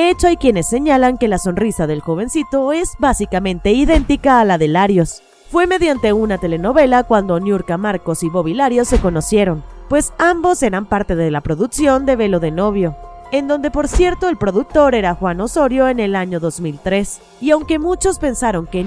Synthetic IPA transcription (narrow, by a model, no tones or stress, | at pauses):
eet͡ʃoajkje̞ne̞sːe̞ɲalaŋke̞laso̞nrisaðe̞lxo̞β̞e̞nsit̪o̞e̞zβasikamẽ̞nt̪e̞iðe̞nt̪ikaːlaðe̞laɾjo̞s | fwe̞me̞ðjant̪e̞unat̪e̞le̞no̞βe̞lakwand̪o̞njuɾkamaɾko̞siβo̞βilaɾjo̞sːe̞ko̞no̞sje̞ɾo̞npwe̞sambo̞se̞ɾampaɾt̪e̞ðe̞lapɾo̞ðuksjo̞nd̪e̞βe̞lo̞ðe̞no̞βjo̞ | e̞nd̪o̞nd̪e̞po̞ɾsje̞ɾt̪o̞e̞lpɾo̞ðuk̚t̪o̞ɾe̞ɾaxwano̞so̞ɾjo̞e̞ne̞laɲo̞ðo̞zmilt̪ɾe̞s | iawŋke̞mut͡ʃo̞spe̞nsaɾo̞ŋke